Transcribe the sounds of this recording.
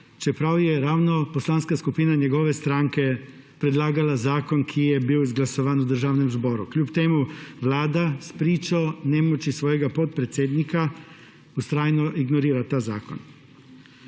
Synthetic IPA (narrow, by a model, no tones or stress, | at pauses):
t͡ʃepɾawjeɾaːwnoposlaːnskaskupinaɲeɡoʋest̪ɾaŋke | pɾed̪laːɡalazaːko̞nkʰijebiːwzɡlasoʋanud̪ər̩ʒaʋnemzbo̞ɾuklʎuːpt̪eːmuʋlaːd̪aspɾiːt͡ʃaoneːmot͡ʃisʋojeɡapot̪̚pɾet̪sʲjed̪nika | ust̪ɾaːjnoʔiɡnoɾiːɾat̪aːza̰ːko̰n